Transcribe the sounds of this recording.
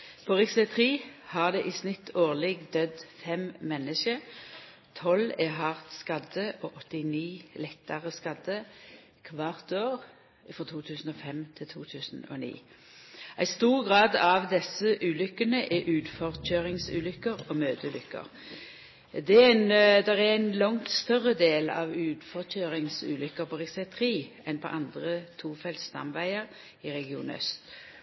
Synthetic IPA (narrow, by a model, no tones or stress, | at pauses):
pʰɔʁɪksət̪ʰʁiːhɑʁd̪ɛʔiːsnɪt̪ʰːoːʁlɛɡd̪œd̪fɛmmɛnːəʃə | t̪ʰɔlɛɦɑʁt̪skɑd̪əoːʔɔt̪ɪniːlɛt̪ːəʁəskɑd̪ə | kʰʋɑʁt̪oːʁ | fɾɔt̪ʰuːt̪ʰʉːsn̩oːfɛmt̪ʰɪlt̪ʰuːt̪ʰʉːsn̩o̰ːnḭː | ʔæɪst̪uːʁɡʁɑːd̪ɑʋd̪ɛsəʔʉːlʏkːənəʔɛʔʉːd̪fɔʁc͡çøːɾɪŋsʉ̰ːlʏkːəɾɔmøːd̪əlʏkːə̰ʁ | d̪ɛænd̪ɛʁææɪnlɔŋt̪st̪œʁəd̪eːlɑ̰ʋʉːd̪fɔʁçøːɾɪŋsʉ̰ːlʏkːəɾpʰɔʁɛsɛt̪ʰəʁiː | ɛnpʰɔ̰ʔɑnd̪ʁət̪ʰuːfɛlt̪st̪ɑ̰mʋæɪəʁ | ɪɾɛɡɪṵːnœ̰st̪